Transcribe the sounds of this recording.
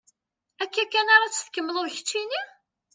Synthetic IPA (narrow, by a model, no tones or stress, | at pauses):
ækːækːænaɾˤɑt͡sːə̥θkːəmːəlʊɾçə̥t͡ʃːini